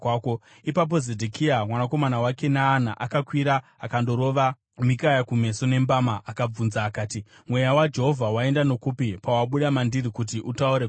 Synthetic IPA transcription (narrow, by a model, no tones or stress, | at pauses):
ko | ipap̬o̞zedʱekʰiamwanako̞manawake̞naːnaʔakakwiɾa | akando̞ɾo̞ʋa | mikajakume̞so̞ne̞mbamaakab͡vunzaːkaːti | mwe̞jawad͡ʒe̞ɦo̞vʱawae̞ndano̞kupipawaɓuɗamandirikut̬iʔutauɾe